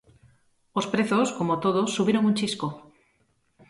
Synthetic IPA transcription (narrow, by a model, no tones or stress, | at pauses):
ospɾeθoskomot̪oð̞osːuβiɾoŋunʲt͡ʃisko